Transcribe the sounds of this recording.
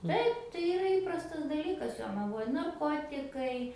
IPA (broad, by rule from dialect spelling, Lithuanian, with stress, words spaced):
ˈtɐɪp tɐɪ ɪˈrɐ ˈiːprɐstɐs dɐˈlʲiːkɐs joːnɐˈʋoːj nɐrˈkoːtʲɪkɐɪ